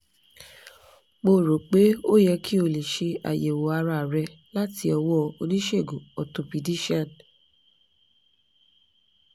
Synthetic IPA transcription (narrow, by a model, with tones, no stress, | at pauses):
k͡po˦˨ɾo˨k͡pe˨˦o˦jɛ˧kʰi˦o˧˨le˨ʃe˧a̰˨je˨wo˨a˧ɾa˧˨ɾɛ˧˦ | la˦ti˧˦ɔ˧wɔ˦˧o̰˧nĩ˦ʃe˦˨ɡo˨ɔ˨to˧pi˨di˦ʃã˦˨n